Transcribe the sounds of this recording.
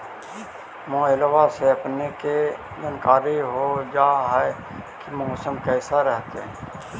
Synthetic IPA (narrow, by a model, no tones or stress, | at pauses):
mõːɪlwaseɐpneke | d͡ʒənkaːɾiɦod͡ʒaːɦɛ | kimɔːsəmkɛːsaɾɛɦt̪eɛ̃